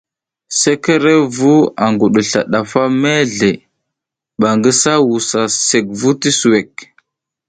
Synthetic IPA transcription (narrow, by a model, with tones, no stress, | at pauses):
se˦ke˦ɾe˦vu˦a˨ŋɡu˨ɗu˨ɬa̰˨ɗa˨fa˦me˦ɮe˨ | ɓa˨ŋɡə˦sa˦wu˨sa˨se˨k̚vu˦ti˦su˨we˨k̚